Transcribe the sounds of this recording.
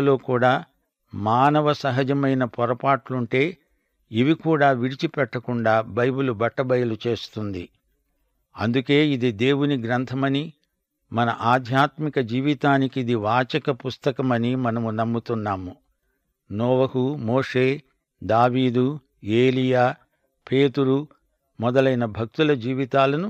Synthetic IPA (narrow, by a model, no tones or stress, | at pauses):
lo̞ːkuːɽaː | maːnɐʋɐsɐɦɐd͡ʒɐmɐjnɐpɔɾɐpaːʈluɳʈe̞ː | iʋikuːɽaːʋiɽit͡ʃipɛʈːɐkuɳɖaːbɐjbulubɐʈːɐbɐjɐlut͡ʃe̞ːst̪und̪ḭ | ɐnd̪uke̞ːid̪id̪e̞ːwuniɡɾɐnt̪ʰɐmɐni | mɐnɐʔaːd̪ʱjaːt̪mikɐd͡ʒiːʋit̪aːnikid̪iʋaːt͡ʃɐkɐpust̪ɐkɐmɐnimɐnɐmunɐmːut̪unːaːmu | nɔːʋɐhumoːʂe̞ː | d̪aːʋiːd̪u | eːlijaː | pʰe̞ːt̪uɾu | mɔd̪ɐlɐjnɐbʱɐk̚t̪ulɐd͡ʒiːʋit̪aːlɐnu